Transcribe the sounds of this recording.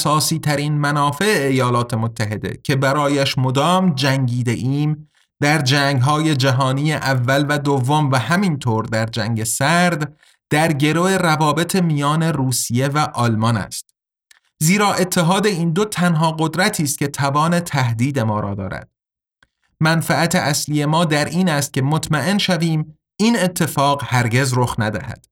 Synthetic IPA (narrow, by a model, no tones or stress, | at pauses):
sɒːsiːt̪ʰæɾiːnmænɒːfe̞eːjɒːlɒːt̪ʰe̞mot̪ʰːæɦe̞d̪e̞̰cʰe̞bæɾɒːjæʃmo̞d̪ɒːmd͡ʒæŋɟiːd̪eʔiːm | d̪æɾd͡ʒæːŋɡɦɒːje̞d͡ʒæɦɒːniːjeʔævːælvæd̪ovːomvæhæmint̪ʰoːɾd̪æɾd͡ʒæŋɟe̞sæɾd̪ | d̪̥æɾɟe̞ɾoe̞rævɒːbe̞t̪ʰemijɒːne̞ruːsije̞væʔɒlmɒːnæ̰st̪ | ziːɾɒːʔe̞t̪ʰːe̞ɦɒːd̪e̞iːnd̪ot̪ʰænɦɒːɢo̞d̪ɾæt̪ʰiːst̪̚cʲe̞t̪ʰævɒːne̞t̪ʰæhd̪iːd̪e̞mɒːɾɒːd̪ɒ̰ːɾæ̰d̪̥̚ | mænfææt̪ʰe̞ʔæsliːe̞mɒːd̪æɾʔiːnæst̪̚cʲʰe̞mot̪ʰmæʔe̞nʃæviːm | iːne̞t̪ʰːe̞fɒːɣhæɾɟe̞zɾo̞xnæd̪æ̰hæ̰d̪̥